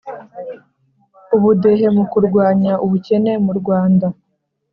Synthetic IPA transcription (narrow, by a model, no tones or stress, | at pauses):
uβude̞ɦe̞mukuɾɡwaːɲaʔuβuce̞ne̞muɾɡwaːnda